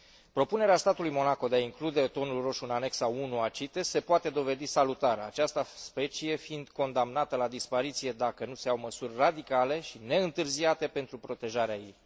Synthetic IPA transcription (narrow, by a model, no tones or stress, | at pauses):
pɾo̞pune̞ɾeast̪at̪ulujmo̞nako̞d̪e̞aiŋklud̪e̞t̪o̞nulro̞ʃʲunane̞ksaunuat͡ʃit̪ese̞poat̪e̞d̪o̞ve̞d̪isalut̪aɾat͡ʃast̪əspe̞t͡ʃije̞fiind̪ko̞nd̪amnat̪əlad̪ispaɾit̪sije̞d̪akənuse̞awməsurʲrad̪ikale̞ʃine̞ɨnt̪ɨrziat̪e̞pent̪ɾupɾo̞t̪e̞ʒaɾeajḛj